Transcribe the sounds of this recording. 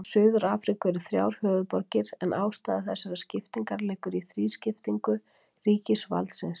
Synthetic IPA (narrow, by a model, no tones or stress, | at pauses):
sʏːðʏɾaːfɾikʏɛɾʏθɾja̰ːwɾ̥hœːðʏpɔɾcɪɾɛnʔaːwst̪aːðaθɛsːaɾascɪft̪iŋkaɾlɛːkʏɾiθɾiːscɪft̪iŋkʏ | riːcɪsva̰lt̪sɪns